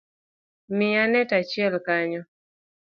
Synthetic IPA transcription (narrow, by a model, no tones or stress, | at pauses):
mɪanɛtat͡ʃɪɛlkaɲɔ